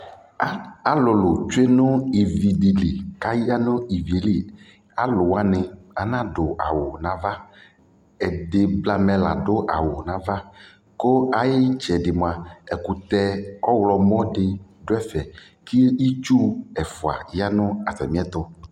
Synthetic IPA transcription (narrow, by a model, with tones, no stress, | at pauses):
a˨lo˨lo˨t͡ʃu˦e˦nʊ̃˦i˨vi˨ɖi˨li˨ka˦ji˦a˦nõ˦i˨vi˨li˦ | a˦lo˨wa˦nẽ˨a˨nã˦ɖo˨a̰˨wo˨nã˨va˦ | ɛ˨ɖe˨bla˦mɛ̃˦la̰˨ɖo˦ʔa˨wo˨nã˨va˦ | ko˦a˨je˦t͡ʃɛ˨ɖe˨mo˨a˨ɛ˨ku˨t̪ɛ˦ɔ˦wlɔ˨mɔ̃˦ɖe˨ɖo˦ɛ˦fɛ˨ | ki˦i˦t͡ʃu˦ɛ˨fo˨a̰˨ja˦nʊ̃˦a˨sɛ̰˨mĩ˦ɛ˦t̪o˦